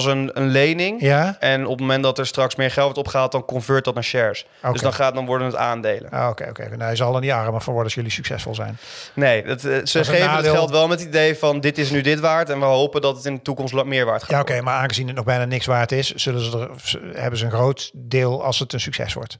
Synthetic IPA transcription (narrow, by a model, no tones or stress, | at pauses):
s̬ənənlejnɪŋjaɛnɔpətmomɛnt̚dɑtɛɹstrɑksmɪːɹχɛlˠtʋɔtɔpχəaːt̚dɑnkɔnvøːt̚dɑtənʃɛɹs | døzdɑnχaːt̚dɑnʋɔɹdənəta̰ːndejlə̰no̰okḛjo̰wkḛnɛjzɑlˠɑndiɑrəməfɔʋɔɹəɔsjɵlisyksɛ̰sfɔ̰lˠzɛ̰jn | nejdətsəχejvəɛlˠtʋɛlˠmətidejvɑndɪtɪs̬nydɪtʋaːɹtɛnʋəɦowpəndɑtətɪndətukɔmstmɪːɹʋa̰ːɹtχajaokejmaːɹaːnχəzinət̚nɔɣbɛjnaːnɪksʋaːɹətɪsz̥ɵlənzəə | ɦɛbənzəənχrowt | dɪːlˠɑ̰lˠsətənsyksɛ̰sʋɔ̰ɹt